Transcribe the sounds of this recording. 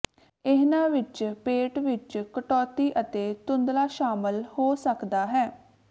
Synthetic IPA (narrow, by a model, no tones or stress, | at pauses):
ɪɦnãːʋɪt͡ʃpeːʈʋɪt͡ʃkəʈɔːt̪iːʔət̪eːt̪ʊ̃nd̪laːʃaːməlhoːsəkd̪aːɦɛː